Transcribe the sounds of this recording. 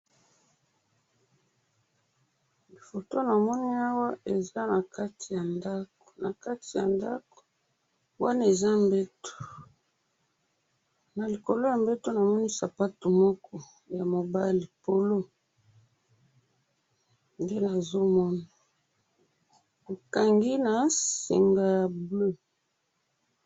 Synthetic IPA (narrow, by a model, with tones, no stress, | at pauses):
bi˨fo˨to˦na˨mɔ˦ni˦a˦wa˦e˨za˦na˨ka˦ti˨ja˨nda˦ko̥˨na˨ka˦ti˨ja˨nda˦ko̥˨ | wa˦na˦e˨za˦mbe˦to̥˨ | na˨li˨ko˨lo˦ja˨mbe˦to˦na˨mɔ˦ni˦sa˨pa˦to˨mɔ˦kʰɔ˦ | ja˨mo˨ba˦li˨po˨lo˦ | nde˦na˨zo˦mɔ˦na˨ | ko˨ka˨ŋɡi˦na˨sḭ˨ŋɡa˨ja˨blø˦